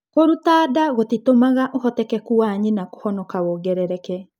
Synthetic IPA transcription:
koɾutaːdaɣotitomaɣaʔohɔtɛkɛkuaɲinako̥hɔnɔkawoɡɛɾɛɾɛkɛ

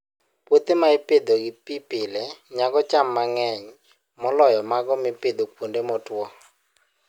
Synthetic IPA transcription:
pwot̪emaeped̪oɡɪpipɪlɛɲaɡɔt͡ʃamːaŋɛɲ | mɔlɔjɔmaɡɔmɪped̪okwondemɔtwɔ

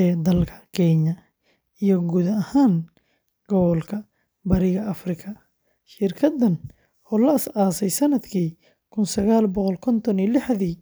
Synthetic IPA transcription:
ɛːd̪ɐlkʰɐ̥kʰɛɲɐ | ijɞɡuːðɐɐhaːn | ɡ̥ɔβɔlkʰɐ | bɐɾɪɣɐʔɐfrɪkʰɐ | ʃɪrkʰɐd̪ɐn | ʔɔːlɐɐsaːsɛjsɐnɐd̪kʰiː | kʰʊnsɐɣaːlbɔqɔlkʰɔnt̪ʰɔnijlɪħðiː

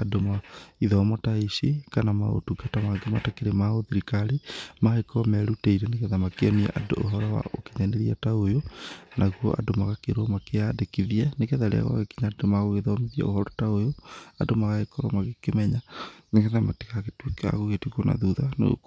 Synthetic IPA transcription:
adomaiðɔmɔtaisikanamao̰tukatamaɡematakeɾemaoðiɾikaɾimaekɔmɛɾutɛiɾɛneɣeðamakeɔniɛ̰ʔado̰ʔoɦɔɾɔwa̰oki̥ɲaneɾiataojonaɣuɔʔa̰domaɣakeɾɔmakeadekiðiɛnekɛðaɾḛa̰ɣwa̰ɣekiɲadomaɣoɣeðɔmiðiɛ̰ohɔɾɔtaojoadomaɣaekɔɾɔ̰maɣekemɛɲaneɣeðamati̥kaɣetweka̰ɣoɣetwikona̰ðuðano̰o̰

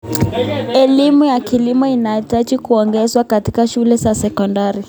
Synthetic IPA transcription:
ɛlimujakilimɔinaitat͡ʃikuɔŋɡɛzwakatikaʃulɛzasɛkɔndaɾi

